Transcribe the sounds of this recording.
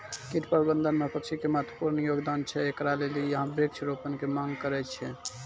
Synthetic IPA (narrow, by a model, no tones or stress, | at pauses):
kit̪pəɾbənd̪ənmepəkt͡ʃʰikemət̪ʰə̥puɾnəjoɡd̪ant͡ʃʰɛekɾalelijəɦə̃bekt͡ʃʰɾopənkemaŋɡkəɾɛt͡ʃʰɛ